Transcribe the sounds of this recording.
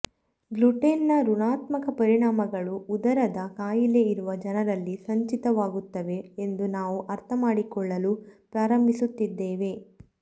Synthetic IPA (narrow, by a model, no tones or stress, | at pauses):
ɡluʈenːɐɾuɳaːt̪mɐkɐpɐɾiɳaːmɐɡɐɭuːd̪ɐɾɐd̪ɐkaːjileiɾuʋɐd͡ʒɐnɐɾɐlːisɐɲt͡ʃit̪ɐʋaːɡut̪ːɐʋe̞end̪unaːʋuʔɐɾt̪ʰɐmaːɽikɔɭːɐlupɾaːɾɐmbʱisut̪ːid̪ːeːʋe̞